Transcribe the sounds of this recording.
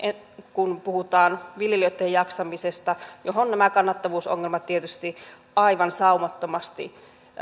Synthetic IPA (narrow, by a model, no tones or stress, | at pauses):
kunpuhut̪ɑːnʋiljeliot̪ːˑejjɑksɑmisest̪ɑjoɦonnæmækɑnːɑt̪ːɑʋuːsoŋːelmɑt̪t̪ːiet̪yst̪i | ɑiʋɑnsɑumɑt̪ːomɑst̪ḭ